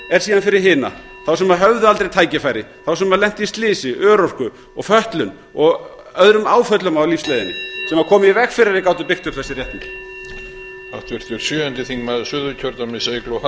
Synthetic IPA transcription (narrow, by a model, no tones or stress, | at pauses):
ɛɾ̥siːðanfɪɾɪɾ̥ɦɪːna̰ | θawsɛmaðɦœvðʏalt̪ɾejt̪ʰaːjcɪfaːjɾɪθawsɛmaðlɛn̥t̪ist̪lɪːsɪʔœːɾɔr̥kʏ | ɔɣfœht̪lʏn | ɔɣ | œðɾʏmaːwfœt̪lʏmawlifslɛːjðɪnɪ̰sɛmakʰɔːmɪivɛkfɪɾɪɾɪkaːwt̪̬ʏpɪxt̪ʏpθɛsːɪrjɛht̪nɪ̥ | aft̪ʰvɪɾ̥t̪ʰɛɾ̥sjʏːɛnt̪ɪθiŋmɛðsʏðʏcʰœɾt̪amɪsejklowh